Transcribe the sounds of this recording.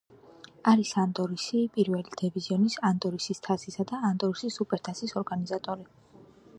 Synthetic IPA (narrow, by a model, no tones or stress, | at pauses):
aɾisand̪ɔɾisipʼiɾvɛlid̪̥ɛviziɔnisand̪ɔɾisist̪ʰasisad̪aːnd̪ɔɾisisupʼɛɾt̪ʰasisɔɾɡanizat̪ʼɔɾi